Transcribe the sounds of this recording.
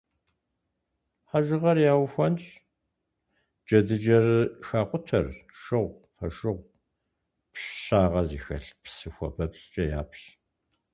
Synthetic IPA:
ħaʒɨʁɐrjaːwxʷɔnt͡ʃʼ | d͡ʒɐdɨd͡ʒɐrɨxaːqʷʼʊtʰɐ̰rʃɨʁʷ | fɐ̰ʃɨʁʷ | pɕɕaːʁɐziːxɐɬpsɨxʷɔ̰pʰɐpsʼt͡ʃʼɐja̰ːpɕ

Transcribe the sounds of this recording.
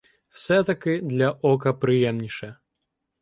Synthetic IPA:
w̥sɛt̪ɐkɨd̪lʲɐʔɔkɐpɾɨjɛmnʲiʂɐ

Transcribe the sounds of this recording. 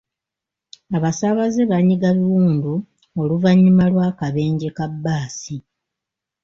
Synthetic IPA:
aβasaβazeβaɲːiɡaβiwuːndu | oluvaɲːimalwaːkaβe̞ːɲɟekabːaːsi

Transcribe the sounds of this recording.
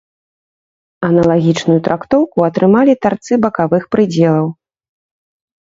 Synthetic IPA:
ɐnɐlˠaɣʲit͡ʂnujut̪ɾʔakt̪ɔwkuɐt̪ɾɨmalʲit̪art̪sɨbɐkavɨxpɾɨd͡zʲɛlˠɐw

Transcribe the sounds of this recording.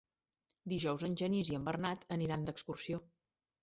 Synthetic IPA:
d̪iʒɔwzənʲʒəniziəmbərnat̪əniɾand̪əkskursio

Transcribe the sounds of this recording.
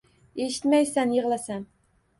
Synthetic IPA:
e̞ʃɪ̥t̪majsanjeʁlˠasan

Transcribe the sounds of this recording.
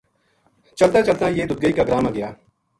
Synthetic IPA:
t͡ʃɐlt̪at͡ʃɐlt̪ajeːd̪ʊd̪̚ɡəikaɡɾaːmaɡɐjaː

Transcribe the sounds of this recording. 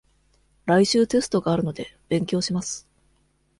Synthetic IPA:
ɾaiɕɨːt̪e̞sɨ̥t̪o̞ɡaːɾɯ̟no̞d̪e̞b̥ẽ̞ŋkʲo̞ːɕimasɨ̥

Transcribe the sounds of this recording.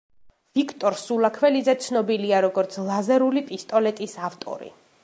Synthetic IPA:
v̥ikʰt̪ʼɔɾsulakʰwɛlizɛt̪sʰnɔbiliaɾɔɡɔɾt̪sʰlˠazɛɾulipʼist̪ʼɔlɛt̪ʼisaft̪ʼɔ̰ɾḭ

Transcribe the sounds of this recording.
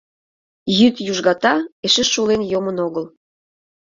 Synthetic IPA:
jyt̪juʒɣɑt̪ɑeʃĕʃːulenjomənoɣəl

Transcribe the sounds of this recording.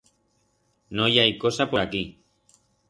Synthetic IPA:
nojajkosapoɾaki

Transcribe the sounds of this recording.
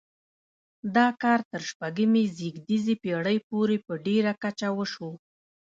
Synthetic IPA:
d̪ɑkɑɾt̪əɾʃpaɡimeziɡd̪izipeɽəjpoɾepəɖeɾakat͡ʃawəʃo

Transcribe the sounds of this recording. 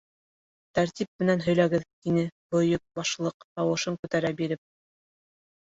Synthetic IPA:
t̪æɾt̪ip̚mɘ̆nænɦɵ̆jlæɡɘðt̪inɘbŏjɤk̚bɑʃlˠɤqt̪ɑwɤ̆ʃɤŋkʉt̪æɾæbiɾɘp̚

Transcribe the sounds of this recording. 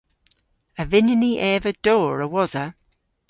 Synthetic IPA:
əvɪnəniʔɛːvəd̥oːɹəwɔzə

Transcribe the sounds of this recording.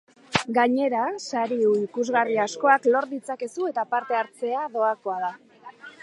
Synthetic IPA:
ɡaɲe̞ɾasaɾiuikuzɣariasko̞aklo̞ɾðit͡sake̞sue̞t̪apaɾt̪e̞aɾt͡se̞aðo̞ako̞að̞a

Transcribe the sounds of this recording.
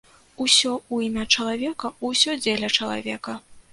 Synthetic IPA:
usʲɔuimʲat͡ʂɐlˠavʲɛkɐusʲɔd͡zʲelʲɐt͡ʂɐlˠa̰vʲɛkɐ

